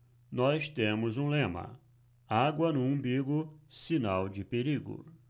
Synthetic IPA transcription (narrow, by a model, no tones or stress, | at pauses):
nɔst̪ẽmʊzũlẽmɐ̰̃ | aɡwɐnũũbiɡʊsinawd͡ʒɪpeɾiɡʊ̰